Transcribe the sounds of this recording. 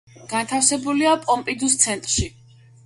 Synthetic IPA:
ɡ̥ant̪ʰafsɛbuliapʼɔmpʼid̪ust̪sʰɛnt̪ʼɾʃi

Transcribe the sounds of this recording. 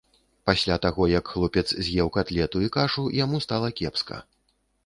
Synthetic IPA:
pasʲlʲat̪aɣɔjɐkxlˠɔpʲɛt̪szʲjɛwkat̪lʲɛt̪uikaʐujamust̪alˠɐkʲɛpskɐ̰

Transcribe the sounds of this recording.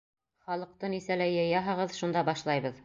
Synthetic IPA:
χɑlˠɤ̆q̚t̪ɤnisælæjɤ̆jɑɦɤ̆ʁɤðʃund̪ɑbɑʃlˠɑjβɤð

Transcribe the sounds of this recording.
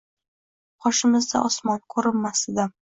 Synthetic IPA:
qʰɒʃɪmɪzd̪a̰ʔɒsmɒnkʰɵɾɪnːasɪd̪am

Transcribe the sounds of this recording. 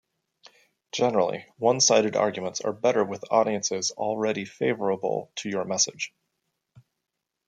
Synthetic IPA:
d̥ʒ̥ɛnə˞l̩ˠḭwʌ̃nsaɪɾɨɾɑ̰ɹɡjmə̃ntsə̰˞bɛɾə˞wɨðɔɾiɨ̃nsɪzl̩ˠɹɛɾifeɪvə˞əbl̩ˠtʰɨjə˞mɛsɨ̰d̥ʒ̥

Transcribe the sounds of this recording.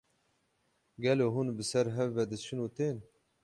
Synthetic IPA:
ɡɛloːɦunbɨsɛɾɦɛvːɛd̪ɨt͡ʃʰɨnuːt̪eːn

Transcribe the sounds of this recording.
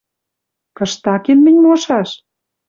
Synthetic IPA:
kɤ̆ʃt̪ɑkenmɘ̆nʲmoʃɑʃ

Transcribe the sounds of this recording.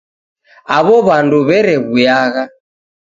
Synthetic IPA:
aβɔβanduβɛɾɛβujaɣa

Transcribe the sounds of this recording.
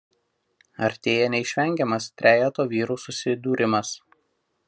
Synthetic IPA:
ɐɾʲt̪ʲeːjɛnʲɛɪʃʲʋʲɛŋʲɡʲɛmɐst̪ʲɾʲæːjɛt̪oːʋʲiːɾuːsʊsʲɪd̪uːɾʲɪmɐs

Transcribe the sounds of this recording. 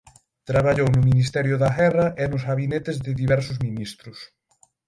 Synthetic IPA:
t̪ɾaβaʎownʊminist̪ɛɾjʊðaɣɛrɐʔɪnʊzɣaβinet̪ɪzðɪðiβɛɾsʊzminist̪ɾʊs

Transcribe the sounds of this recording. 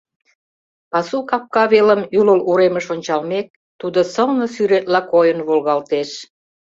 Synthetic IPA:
ɑsukɑp̚kɑβeləmyləluɾeməʃonʲt͡ɕɑlmek̚ | t̪ud̪osəlnəsyɾet̪lɑkojənβolɣɑlt̪eʃ

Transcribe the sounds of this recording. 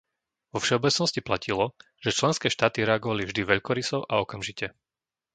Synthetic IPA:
ʋɔfʃɛɔbɛt͡snɔsciplacilɔ | ʒ̥ɛt͡ʃlɛnskɛːʃt̪aːt̪iɾɛaɡɔʋalivʒd̪iʋɛʎkɔɾisɔʊʔaɔkamʒicɛ

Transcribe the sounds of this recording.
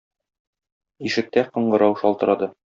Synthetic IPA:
iʃɘ̆k̚t̪æqŏɴɢɤ̆ɾɑwʃɒlˠt̪ɤ̆ɾɑd̪ɤ

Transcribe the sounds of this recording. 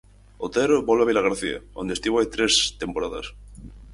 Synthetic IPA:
ot̪eɾbolβaβilaɣaɾθia̰ond̪est̪iβoajt̪ɾest̪e̞mpoɾaða̰s

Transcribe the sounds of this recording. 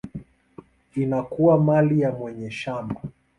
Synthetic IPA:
inakuwamalijamwɛɲɛʃama

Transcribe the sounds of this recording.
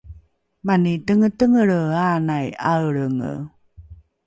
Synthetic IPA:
manitəŋətəŋəɭəanajawɭəŋə̰

